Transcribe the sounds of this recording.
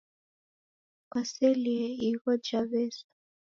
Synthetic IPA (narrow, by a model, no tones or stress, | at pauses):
kasɛliɛiɣɔd͡ʒaβɛsḁ